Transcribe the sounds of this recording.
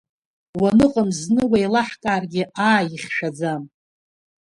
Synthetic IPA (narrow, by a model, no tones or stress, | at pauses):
wanɨqʼəmznɨwajlaħkʼaːrɡʲɪaːjiχʲʃᶣad͡zam